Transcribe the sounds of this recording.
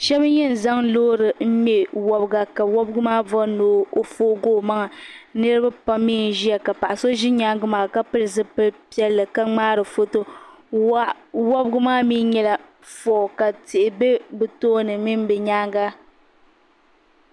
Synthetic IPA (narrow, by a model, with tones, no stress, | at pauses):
ʃɛ˦bjɛ˦n̩˨za˦ŋloː˦ɾɨ˨m̩˦mɛ˦wɔ˨bɡa˨ka˨wɔ˦bɡʊ˦maː˦vɔ˦noː˨˦o˦foː˦ɡoː˦˨ma˦ŋa˨nɨ˦ɾɨ˦ba˦pa˦mmiː˦˨n˨ʒi˦a˨ka˨pa˨ʔa˨so˦ʒi˦ɲaː˦ŋɡɨ˦maː˨ka˦pɨ˦lɨ˨zɨ˦pɨ˦lpi˦ɛ˦lːɨ˨ka˦ŋ͡maː˦ɾɨ˨fo˦to˦ | wɔ˦bɨ˦ɡʊ˦maː˦miː˦ɲɛ˦˨la˨ | fɔ˨ka˨ti˨ʔɪ˨be˦bɨ˨toː˦nɨ˨mi˦m˦bɛ˨ɲaː˦ŋɡa˦